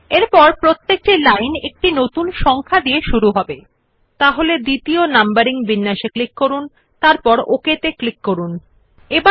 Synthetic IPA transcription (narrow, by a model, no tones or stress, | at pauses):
eɾpɔɾpɾot̪ːek̚ʈilajnek̚ʈinot̪unʃɔŋkʰad̪ieʃuɾuɦɔbe | t̪aɦoled̪it̪ionambaɾiŋbinːaʃeklikːoɾun | t̪aɾpɔɾoket̪eklikːoɾun | eba